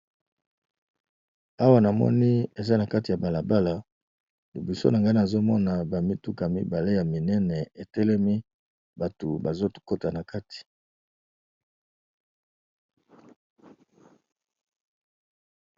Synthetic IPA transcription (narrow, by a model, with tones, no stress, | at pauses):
a˦wa˦na˨mɔ̰˦ni˦e˨za˦na˨ka˦ti˨ja˨ba˨la˨ba˦la˨ | li˨bu˨so̰˦na˨ŋɡa˦˨a˨zo˦mɔ˦na˨ba˨mi˦tu˦ka˨mi˦ba˨le˦ja˨mi˨nɛ˦nɛ˨e˨tɛ˦lɛ˦mi˦ | ba˨to˨ba˨zo˦tko˦ta˨na˨ka˦tʰi̥˨